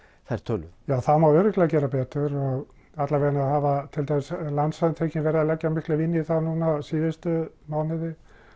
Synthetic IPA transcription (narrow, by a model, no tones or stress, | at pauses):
θaɛɾ̥t̪ʰœlʏjaːwθaðmawœɾʏklɛɣacɛːɾapɛːt̪ʏɾɔɣ | at̪laɾveːɣnaðɦavat̪ʰɪlt̪ʰajmɪslant̪saðɪnt̪ʰeːcɪnvɛːɾðalɛcːamɪhklʏvɪnːɪiθaðnunasiːðɪst̪ʏ | maːwnɪðɪ